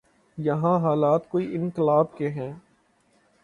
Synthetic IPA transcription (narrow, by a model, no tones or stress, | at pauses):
jɐɦãɦaːlaːt̪koːiʔɪ̃nkɪlaːbkeɦɛ̃ː